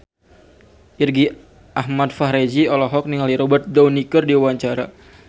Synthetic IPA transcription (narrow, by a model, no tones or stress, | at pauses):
ʔirɡi | ʔahmat̪faɦɾed͡ʒiɔlɔɦɔk̚niŋaliɾɔbərt̪̚dawnikərdiwaɲt͡ʃaɾa